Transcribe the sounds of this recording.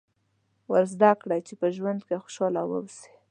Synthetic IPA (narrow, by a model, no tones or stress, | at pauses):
wəɾzd̪akɽajt͡ʃepəʒwand̪kexo̥ʃɑlɑwə̰wse̥